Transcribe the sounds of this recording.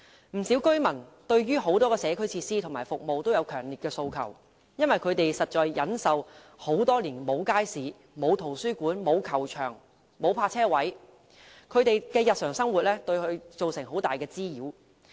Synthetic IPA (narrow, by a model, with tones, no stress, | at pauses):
m̩˨˩siː˨˥wkɵ˥mɐ˨˩nt̪ɵ˧ɥɥyː˥ɦo˨˥wt̪ɔː˥kɛː˧sɛː˨˧kʰɵ˥ɥt͡sʰiː˧t̚siː˥t̪ʰo˨˩maː˨˩fʊ˨k̚mo˨wt̪o˥wjɐ˨˧wkʰœː˨˩ŋliː˨t̚kɛː˧so˧wkʰɐ̰˨˩w | jɐ˥nwɐ˨jkʰɵ˨˧ɥt̪e˨jsɐ˨t̚t͡ʃɔː˧jːɐ˨˥nsɐ˨w | ho˨˥wt̪ɔː˥liː˨˩nmo˨˧wkaː˥jsiː˨ | mo˨˧wt̪ʰo˨˩wsyː˥kuː˨˥nmo˨˧wkʰɐ˨˩wt͡ʃʰœː˨˩ŋ | mo˨˧wpʰaː˧t͡sʰɛː˥wɐ˨˥j | kʰɵ˨˧ɥt̪e˨jkɛː˧jɐ˨t̚sœː˨˩ŋsɐ˥ŋwuː˨t̚lɛː˥t̪ɵ˧ɥkɵ˧ɥt͡so˨wsɪ˨˩ŋɦo˨˥wt̪aː˨jkɛː˧t͡siː˥jiː˨˧˥w